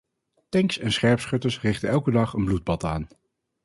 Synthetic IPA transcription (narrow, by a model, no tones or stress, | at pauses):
tɛŋksɛnsχɛɹpsχɵtəsrɪχtənɛlˠkədɑχənblud̚bɑtaːn